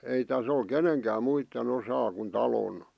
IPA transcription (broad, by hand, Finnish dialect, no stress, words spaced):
ei tæs ol keneŋkæːm muitːen osɑː kun tɑlon